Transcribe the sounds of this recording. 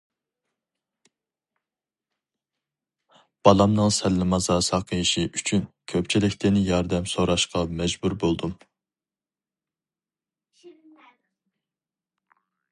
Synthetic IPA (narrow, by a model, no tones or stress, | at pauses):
b̥ɑlˠɑmnɨŋsɛlːɪmɑzɑːsɑqʰəjiʃiʔyt͡ʃʰynkʲʰøpt͡ʃʰilɪkʲt̪ʰɪnɪjɑɾd̪ɛmsoɾɑʃqɑmɛd͡ʒbuɾbolˠd̪um